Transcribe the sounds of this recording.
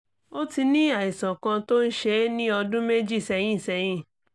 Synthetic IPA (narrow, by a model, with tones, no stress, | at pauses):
o˦ti˧nĩ˦a˦˨i˨sã˨kã˧to˦n̩˦ʃe˧˦nĩ˦ɔ˧dũ˦me˦d͡ʒi˦˨sɛ˧˦j̃ĩ˦˨sɛ˧j̃ĩ˦˨